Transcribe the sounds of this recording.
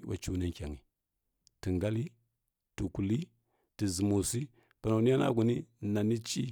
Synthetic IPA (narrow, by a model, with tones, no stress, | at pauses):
ɓa̰˨t͡ʃu˦na˦ŋ˦kʲa˨ŋi˨ | ti˨ŋɡa˦li˦ | tu˨ku˨li˦ | ti˨zi˨mo˨si˦ | pa˨na˨i˦ja˦na̰˦ɡu˨ni˦na˨ni˦t͡ʃi˦